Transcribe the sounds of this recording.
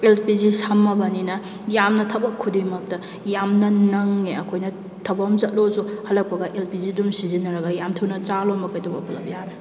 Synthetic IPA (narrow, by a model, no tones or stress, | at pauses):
elpizisamːɐbɐninɐ | jamnɐtʰɐbɐkʰːudimɐk̚tɐ | jamnɐnɐŋːeɐkʰojnɐ | tʰɐbɐmzɐt̚lozuhɐlɐk̚pɐɡɐʔelpizidumsizinɐɾɐɡɐjamtʰɐwnɐt͡ʃalomɐkɐjtʰobɐpʰulɐbjaɾe